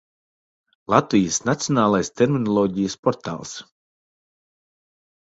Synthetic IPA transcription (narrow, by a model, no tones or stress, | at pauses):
lˠat̪vijəsnat̪sijoɔnaːlˠajst̪eɾminɔlˠɔːɟijəspɔɾt̪a̰ːlˠs